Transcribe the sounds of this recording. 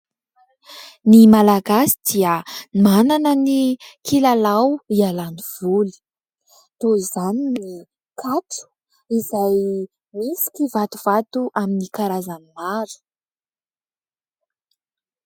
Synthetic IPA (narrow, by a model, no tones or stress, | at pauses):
nimalaɡasi̥d̪̥iəmananənikʰilalawialaniv̥uli̥ | t̪oizaninni | kʰaʈ͡ʂu̥ | izaj | misi̥kʲivat̪uv̥at̪uʔaminikaɾazanimaɾu̥